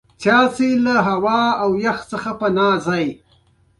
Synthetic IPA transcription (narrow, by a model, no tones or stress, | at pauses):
t͡ʃɑselaɦawɑawjaxt͡səxapənɑːzaj